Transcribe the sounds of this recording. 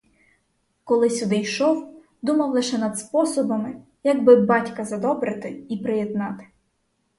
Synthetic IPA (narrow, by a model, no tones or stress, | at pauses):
kɔlˠɪsʲud̪ɪjʃɔw | d̪umɐwlˠɪʃɛnɐd̪spɔsɔbɐmɪ | jɐɡbɪbɑtʲkɐzɐd̪ɔbɾɪt̪ɪipɾɪjɛd̪̚nɑt̪ɪ̥